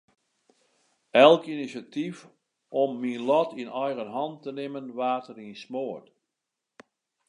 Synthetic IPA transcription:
ɛlˠkinisatif | ɔmːinlɔtinɔjɣənɦɑntənɪmənʋaːtərinsmoət

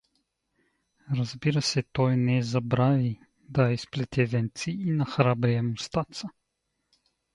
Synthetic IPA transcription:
ɾazbiɾasɛt̪ojnɛzabɾaːvi | d̪aisplɛt̪ɛvɛnt̪siːnaxɾaːbɾɛjɛmust̪aːt̪sa

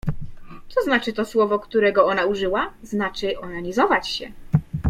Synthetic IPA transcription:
t̪sɔznat͡ʂɘt̪ɔswɔvɔkt̪uɾɛɡɔɔnauʐɘwaznat͡ʂɘʔɔnaɲizɔvat͡ɕɕɛ

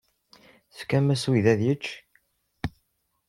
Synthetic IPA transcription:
θə̥fkæmæswiðæðjət͡ʃː

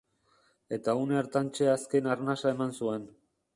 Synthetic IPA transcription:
e̞t̪auneɾt̪ant͡ʃe̞aske̞naɾnasae̞mansue̞n

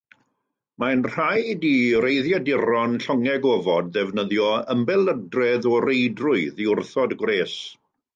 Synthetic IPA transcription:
manr̥ajdirejðjadɪɾɔnɬɔŋɛɡɔːvɔd̚ðɛvnəðjɔəmbɛlˠədrɛðɔrejdrʊɨðiʊrθɔdɡwreːs

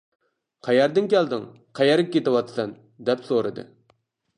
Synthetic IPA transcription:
qʰæjɛɾd̪ɪnkʲʰɛld̪ɪŋ | qʰæjɛɾ̚kʲʰːet̪ɪwɑt̪ʰɨ̥sɛn | d̪ɛpsoɾɨd̪ɨ̰

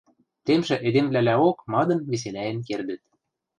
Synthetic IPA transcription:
t̪emʒĕʔed̪emvlælæokmɑd̪ɤ̆nβes̬elæjə̆nkerd̪ɘ̆t̪̚

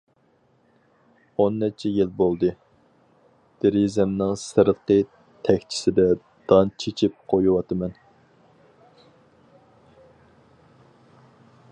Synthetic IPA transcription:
onːɛt͡ʃʰɛjilbolˠd̪ɨ | d̪̥eɾizɛmnɪŋsɨɾəqə | t̪ʰɛkʲt͡ʃʰɪ̥sɪd̪ɛ | d̪̥ɑnt͡ʃʰet͡ʃʰip̚qʰojuwɑt̪ʰɨmɛn

